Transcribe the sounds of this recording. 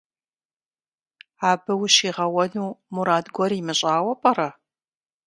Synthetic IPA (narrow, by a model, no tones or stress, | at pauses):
aːbɨwɕiːʁɐwɐnuːmuɾaːdɡʷɔrimɨɕʼaːwɐpʼɐrɐ